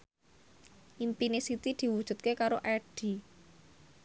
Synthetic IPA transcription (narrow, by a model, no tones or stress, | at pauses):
ʔimpinesit̪id̪̥i̤wud̥ʒ̥ṳt̪̚kekaɾoʔɛɖ̥i̤